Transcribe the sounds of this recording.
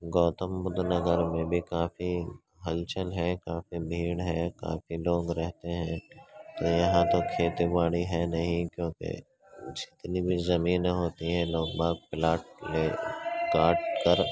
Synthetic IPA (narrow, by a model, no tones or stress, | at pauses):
ɡɔːt̪əmbʊd̪ʱnəɡəɾmẽbʱikaːfi | ɦɐlt͡ʃəlɦɛ̃kaːfibʱiːɽɦɛka̰ːfiloːɡɾɛɦt̪eɦɛ̃t̪ojɐɦãt̪okʰeːt̪ibaːɽiɦɛnɐɦĩkjõːkḛ | d͡ʒɪt̪nibʱizɐmiːnɦoːt̪iɦɛ̃loːɡ̚baːk̚plaːʈleːɡaːʈkəɾ